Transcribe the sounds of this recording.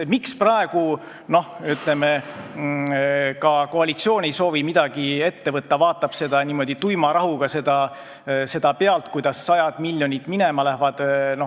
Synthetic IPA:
miksprɑeɡ̥u | no̞hyt̪le̞me | kɑko̞ɑlit̪sio̞ːnejso̞ːvimid̪̥ɑɡ̥ie̞t̪ːe̞vɤt̪ːɑvɑːt̪ːˑɑb̥se̞d̪̥ɑniːmo̞d̪̥it̪ujmɑɾɑɦuɡ̥ɑse̞d̪̥ɑ | se̞d̪̥ɑpe̞ɑlt̪kujd̪̥ɑsːɑjɑd̪̥miljo̞nʲit̪mine̞mɑlæhvɑd̪̥no

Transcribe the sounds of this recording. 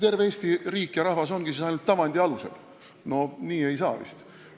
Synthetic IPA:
t̪e̞rveeːst̪iriːkːˑjɑɾɑhvɑso̞nɡ̥isesɑjnult̪ːɑvɑnd̪̥ʲiɑlusḛl | no̞niːe̞jsɑːvḭst̪

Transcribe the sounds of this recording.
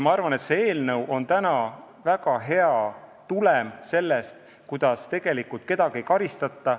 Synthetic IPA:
mɑɑrvɑne̞t̪se̞eːlnɤwʔo̞nt̪ænɑ | væɡɑɦe̞ɑ | t̪ulemse̞lːe̞st̪ | kujd̪̥ɑst̪e̞ɡ̥e̞likult̪̚ke̞d̪̥ɑɡ̥iejkɑɾist̪ɑt̪ːɑ

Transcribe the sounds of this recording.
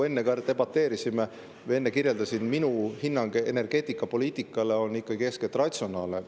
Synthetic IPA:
e̞nːekɑɾd̪e̞bɑt̪ːe̞ːɾisime | ve̞nːekirje̞ld̪̥ɑsinminuhinːɑŋɡ̥eene̞rɡ̥e̞ːt̪ːˑikːˑɑpo̞lʲiːt̪ːˑikːˑɑle̞o̞nːikˑːɑɡikesket̪ˑrɑt̪so̞nɑːlne

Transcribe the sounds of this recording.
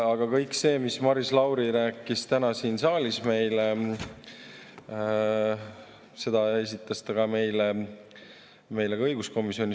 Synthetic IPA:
ɑɡ̥ɑkɤjkse̞ːmismɑɾislɑwɾiɾæːkːˑist̪ænɑsiːnsɑːlʲisme̞jle | se̞d̪ɑe̞s̬it̪ːˑɑst̪ɑɡ̥ɑme̞jle | me̞jle̥ɤjɡ̥usko̞misio̞nʲi

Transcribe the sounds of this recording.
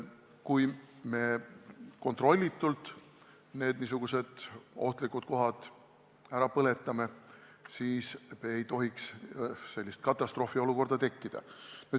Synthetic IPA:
kujme̞ | ko̞nt̪ro̞lʲːit̪ːˑult̪ˑ | ne̞ːd̪̥nis̬uɡ̥use̞d̪̥o̞ht̪likut̪̚ko̞ɦɑd̪̥ | æɾɑpɤle̞t̪ˑːɑme̞ | siːsmeejt̪o̞ɦiksse̞lʲːist̪̚kɑt̪ˑːɑst̪ɾro̞ːfio̞luko̞rd̪̥ɑt̪e̞kːid̪̥ɑ̰nyd̪̥

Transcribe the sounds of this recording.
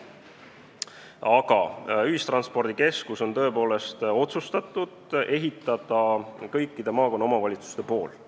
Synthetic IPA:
ɑɡɑ̰yhist̪rɑnspo̞rd̪̥ike̞skuso̞nt̪ɤ̞epo̞ːle̞st̪o̞t̪sust̪ɑt̪ːˑud̪̥e̞ɦit̪ˑːɑd̪̥ɑkɤjkːˑid̪̥e̞mɑːko̞nːɑomɑvɑlʲit̪su̥st̪e̞po̞ːl

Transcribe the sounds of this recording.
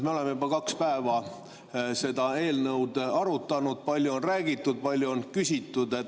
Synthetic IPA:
meo̞lemːejubɑkɑkspæevɑ | se̞d̪ɑe̞ːlnɤwd̪ɑɾut̪ːˑɑnud̪̥̚pɑlʲjuonræːɡit̪ːˑud̪̥̚pɑlʲjuonkysʲit̪ːˑud̪e̞t̪

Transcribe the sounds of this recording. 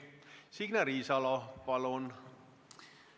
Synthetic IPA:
siɡ̥næɾiːsɑlɑpɑlon

